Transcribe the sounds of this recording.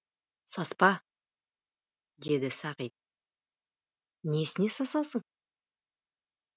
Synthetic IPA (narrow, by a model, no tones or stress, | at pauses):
sɑspɑ | d̪e̞d̪ɪsɑqit̪̚ | nesɪne̞sɑsɑsəɴ